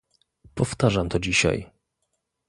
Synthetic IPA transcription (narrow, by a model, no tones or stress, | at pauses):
pɔft̪aʐamt̪ɔd͡ʑiɕa̰j